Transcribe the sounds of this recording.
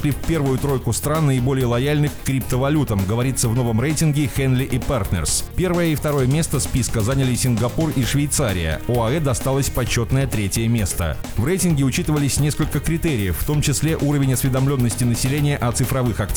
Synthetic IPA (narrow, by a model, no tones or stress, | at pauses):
lʲifʲpʲe̞rvʊjʊt̪ɾo̞jkʊst̪ɾanːəɪbo̞lʲɪjəlˠɐjalʲnɨxkːɾʲip̚t̪əvɐlʲut̪əmɡəvɐɾʲit̪səvno̞vəmrejtʲɪnɡʲɪxɛnlʲɪʔɪpart̪nɛ̰rspʲe̞rvəjəift̪ɐɾo̞jəmʲe̞st̪əspʲiskəzanʲɪlʲɪsʲɪnɡɐpuriʂvʲɪjt̪saɾʲɪ̰jə̰oɐɛd̪ɐst̪alˠəsʲpɐt͡ɕːo̞t̪nəjət̪ɾʲetʲɪjəmʲe̞st̪ə̰vrejtʲɪnɡʲɪʊt͡ɕit̪ɨvəlʲɪsʲnʲeskəlʲkəkɾʲɪt̪eɾʲɪjəfːt̪o̞mt͡ɕɪsʲlʲe̞ʔuɾəvʲɪnʲɐsvʲɪd̪ɐmlʲo̞nːəsʲtʲɪnəsʲɪlʲenʲɪjəʔɐt̪sɨfɾɐvɨxɐktʲ